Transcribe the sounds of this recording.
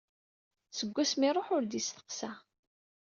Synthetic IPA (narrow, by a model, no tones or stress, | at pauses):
səɡʷːæsmiɾˤoħʊɾd̪ist̪ə̥qsæ